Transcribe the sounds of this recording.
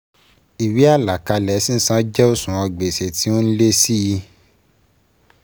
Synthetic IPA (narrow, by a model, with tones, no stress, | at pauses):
i˨wi˨˦a˦˨la˨ka˧lɛ˨˦sĩ˦n̩˦sã˦d͡ʒɛ˦o˦˨sũ˨ɔ̃˧ɡ͡be˨se˨ti˨˦o˦n̩˦le˦si˦ji˧